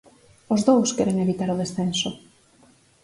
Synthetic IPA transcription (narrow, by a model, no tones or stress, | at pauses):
ʊzðowskɛɾeŋeβit̪aɾʊð̞esθenso